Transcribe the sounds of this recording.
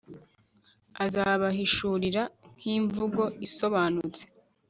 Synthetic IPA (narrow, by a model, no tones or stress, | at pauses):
azaːβaɦiʃuːɾiɾan̥hiːɱvuɡo̞iso̞βaːnut͡se̥